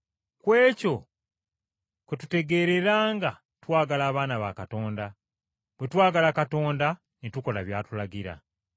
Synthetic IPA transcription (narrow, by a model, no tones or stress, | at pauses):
kwe̞ːco̞ | ketute̞ɡe̞ːɾe̞ɾaːŋɡa | twaːɡalaːβaːnaβa̰kato̞ːnda | bwetwaːɡalakato̞ːnda | nituko̞laβjaːtulaɡiɾa̰